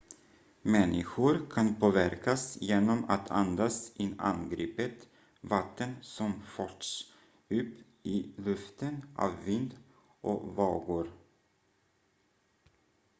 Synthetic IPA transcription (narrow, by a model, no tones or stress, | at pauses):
mɛnːɪɧʊɾkʰanpʰoːvæɾkasjeːnɔma̰t̪ʰa̰nd̪asɪa̰nɡɾiːpət̪ | vat̪ːənsɔmfœʈʂ | ɵpː | ɪlɵft̪ənʔɑ̰vːɪnd̪ | ʔɔvɑːɡʊɾ